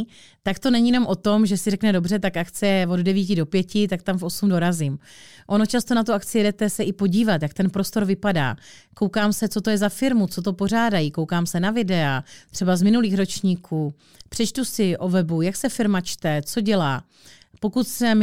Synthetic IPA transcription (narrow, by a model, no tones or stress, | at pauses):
t̪akt̪o̞nɛɲiːjɛno̞mʔo̞t̪o̞mʒɛsɪrɛknɛdo̞brɛt̪akʔakt͡sɛɛvo̞ddɛviːcɪdo̞pjɛcɪt̪ak̚t̪amfʔo̞sumdo̞ɾazɪmʔo̞no̞t͡ʃast̪o̞nat̪uakt͡sɪjɛdɛt̪ɛsɛʔɪpo̞ɟiːvat̪jak̚t̪ɛnpɾo̞st̪o̞ɾvɪpada̰ː | ko̞wkaːmsɛt͡so̞t̪o̞jɛzafɪɾmut͡sot̪̬o̞po̞r̝aːdajikowkaːmsɛnavɪdɛat̪r̝̥ɛbazmɪnuliːxɾo̞t͡ʃɲiːkʰuː | pr̝̥ɛt͡ʃt̪usɪʔo̞vɛbujaksɛfɪɾmat͡ʃt̪ɛt͡so̞ɟɛlaː | po̞kut̪sɛm